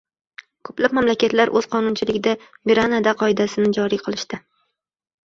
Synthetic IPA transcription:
kʰɵplap̚mamlakʲʰat̪laɾʔɵz̥qʰɒnʊnt͡ʃʰɪlɪɡʲɪd̪amiɾanad̪aqʰɒɪd̪asɪnɪd͡ʒɒɾijqʰɨlˠɪʃt̪ɪ

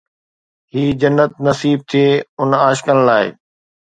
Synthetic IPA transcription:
hiːd͡ʑɐnːət̪̚nɐsiːb̚t̪ʰieːʊnaːʃkəñlaːɪ̰

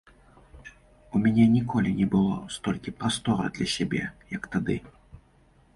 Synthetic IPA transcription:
umʲɛnʲɛnʲikɔlʲinʲɛbɨlˠɔ̰st̪ɔlʲkʲipɾast̪ɔɾɐ̰d̪lʲɐsʲɛbʲɛ̰jɐkt̪ad̪ɨ

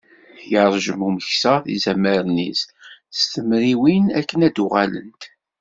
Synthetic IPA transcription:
jəɾˤʒəmuməçsæθḭzæməɾnisst̪əmɾiwinækːənæd̪ʊʁæ̰lə̰nt̪

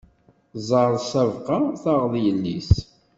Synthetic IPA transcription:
zˤəɾðˤsævqɑθəʁðjəlːis

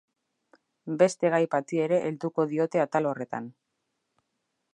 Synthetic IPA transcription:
be̞st̪e̞ɣ̞ajpat̪ie̞ɾe̞ʔeld̪uko̞ðio̞t̪e̞at̪alore̞t̪a̰n

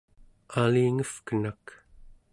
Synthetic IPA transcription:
aliːŋəfkənak

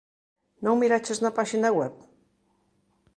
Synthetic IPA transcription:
nowmiɾat͡ʃeznapaʃinawɛp̚

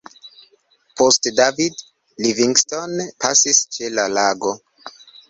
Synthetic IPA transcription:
po̞stdavid | liviŋɡstonpʰa̰sist͡ʃe̞lalaɡo̞

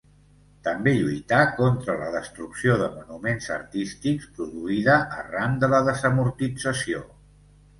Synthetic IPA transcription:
t̪əmbeʎujt̪akɔnt̪ɾələðəst̪ɾuksioðəmunumenzə̰ɾt̪ist̪ikspɾuðuiðəʔːramd̪ələðəzəmuɾt̪id͡zəsio

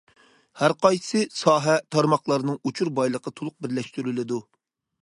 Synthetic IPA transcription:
hæɾqɑjsɨsɑːɦɛt̪ʰɑɾmɑχlˠɑɾnɨŋut͡ʃʰuɾbɑjlˠəqʰət̪ʰolˠʊq̚bɪɾlɛʃt̪yɾylɪd̪u

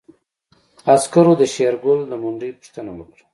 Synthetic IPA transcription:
askaɾod̪əʃeɾɡʊld̪əmʊɳɖipu̥ʃt̪ənawəkɽḁ

